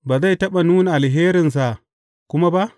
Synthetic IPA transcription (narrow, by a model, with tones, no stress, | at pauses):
ba˨za˦˨jtɐ˦ɓa˨nuː˦nʔa˨lɦeː˦ɾɪ˨ns̬a˨ | kʷʊ˦ma˦ba˦